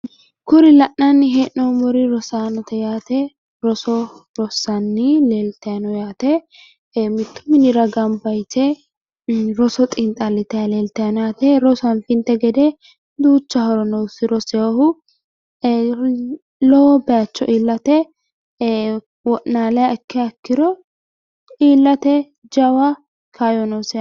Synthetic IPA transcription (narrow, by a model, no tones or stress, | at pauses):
kʊɾɪlɐʔnɐnːɪɦɛʔnɔmɔɾɪɾɔsaːnɔt̪ɛjaːt̪ɛ | ɾɔsɔɾɔsːɐnːɪleːlt̪ɐjɐnɔjaːt̪ɛ | mɪt̪ːʊ̥mɪnɪɾɐɡɐmbɐjtɛ | ɾɔsɔt̪ʼɪnt̪ʼɐlɪt̪ɛaleːlt̪ɛjɐnɔjaːt̪ɛɾɔsɐnfɪnt̪ɛɡɛd̪ɛ | d̪uːt͡ʃːɐhɔɾɔnɔwsɪɾɔsɛohʊ | lɔwbɛjat͡ʃːɔ̰ʔiːlːɐt̪ɛ | wɔʔnaːlɛjaɪkʰːɛɐkːɪɾɔ | iːlːɐt̪ɛ | d͡ʒɐwa | kʰajɔnɔsɛ